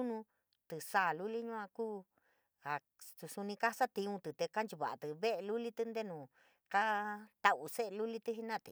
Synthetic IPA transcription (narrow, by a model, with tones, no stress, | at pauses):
nũ˧ | t̪ɨ˨saː˦˨lu˦li˦ɲũ˦ã˧kuː˦ | a˨ | t̪u˧su˧nĩ˧ka˦sa˦t̪i˧ũ˧t̪ɨ˨t̪e˧ka˦nd͡ʒu˧˨βa̰˨ʔa̰˨t̪ɨ˧βe˦ʔe˧lu˦li˦t̪ɨ˧nd̪e˦nũː˨ | ka˦t̪a˨u˧se˦ʔe˧lu˦li˦t̪ɨ˦ɦi˧nãː˦˨t̪ɨ̰˨